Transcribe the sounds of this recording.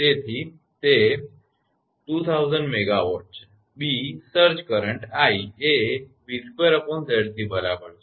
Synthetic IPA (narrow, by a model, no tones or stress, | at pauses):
t̪et̪ʰi | t̪e | ʈuːt̪ʰawzəɳɖmeɡaʋo̰ʈs | bisəɾd͡ʑkəɾəɳʈaieʋispəɾəpɔ̃nseɽt̪ʰibəɾabəɾ